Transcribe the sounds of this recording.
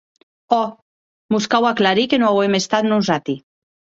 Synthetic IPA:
ɔ | muskawaklaɾikenõawemest̪at̪nunsat̪i

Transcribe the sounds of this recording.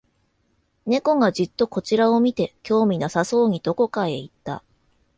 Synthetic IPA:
ne̞ko̞ɡad͡ʑɨt̪ːo̞ko̞t͡ɕiɾao̞mʲit̪e̞kʲo̞ːmʲinasaso̞ːɲ̟id̪o̞ko̞kae̞it̪ːa̰

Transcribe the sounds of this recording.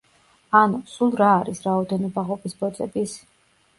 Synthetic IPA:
anusulˠɾaːɾisɾaɔd̪ɛnɔbaʁɔpʼisbɔd̪zʼɛbis

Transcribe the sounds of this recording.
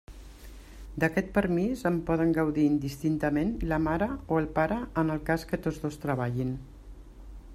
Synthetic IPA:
d̪əkɛt̪̚pəɾmizəmpɔð̞əŋɡəwðiːnd̪ist̪int̪əmenləmaɾəoəlˠpaɾəənəlˠkaskət̪ozðost̪ɾəβ̞aʎin

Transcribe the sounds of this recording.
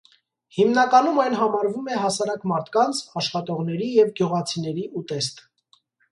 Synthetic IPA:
himnɑkɑnumɑjnɦɑmɑɾvumɛɦɑsɑɾɑkmɑɾt̪ʰkɑnt͡sʰɑʃχɑt̪ɔʁn̪ɛɾijɛvɡjuʁɑt͡sʰinɛɾiʔut̪ɛst̪

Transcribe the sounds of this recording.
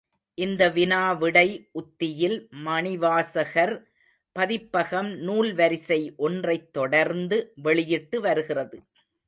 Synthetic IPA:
ʔɪnd̪ɐʋɪnaːʋɪɽɐɪʔʊt̪ːɪjɪlmɐɳɪʋaːsɐɣɐɾ | pɐðɪpːɐɣɐmnuːlʋɐɾɪsɐɪʔɔndrɐɪt̪ːɔɽɐɾnd̪ɯʋɛɭɪjɪʈːɯʋɐɾɯɣɪrɐðɯ

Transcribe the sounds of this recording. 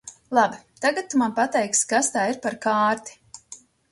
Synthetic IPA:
lˠabit̪aɡat̪̚ːumanpat̪ɛjkskast̪aːiɾpaɾkaːɾt̪i̥

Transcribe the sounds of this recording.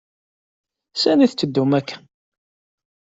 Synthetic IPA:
sæniθt͡sːəd̪ːumækʰː

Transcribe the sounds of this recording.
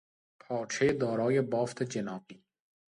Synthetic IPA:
pʰɑːt͡ʃʰed̪ɔːɾɔːjebɔːft̪ʰed͡ʒenɑːqiː

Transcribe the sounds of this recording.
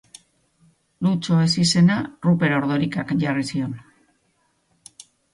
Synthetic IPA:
lut͡ʃo̞e̞sise̞narupe̞ɾo̞ɾðo̞ɾikakʝarisio̞n

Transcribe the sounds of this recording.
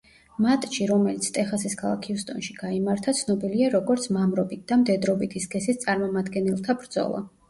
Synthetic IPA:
mat̪ʼt͡ʃiɾɔmɛlit̪sʰt̪ʼɛχasiskʰalˠa̰kʰiust̪ʼɔ̰nʃiɡ̥aimaɾt̪ʰat̪sʰnɔbiliaɾɔɡɔɾt̪sʰmamɾɔbit̪̚d̪̥amd̪ɛd̪ɾɔbit̪ʰisɡɛsist̪sʼaɾmɔmad̪ɡɛnɛlˠt̪ʰabɾd̪zɔ̰lˠa̰

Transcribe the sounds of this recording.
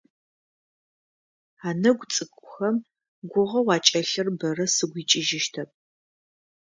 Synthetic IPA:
aːnɐɡʷt͡sʼɨkʷʼʊxɐm | ɡʷʊʁɐwɑːt͡ʃʼɐɬɨrbɐrɐsɨɡʷiːt͡ʃʼɪʒɪʃtʰɐp̚ʼ

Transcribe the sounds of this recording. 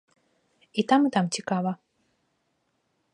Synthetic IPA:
it̪amɨt̪amt͡sʲikavɐ

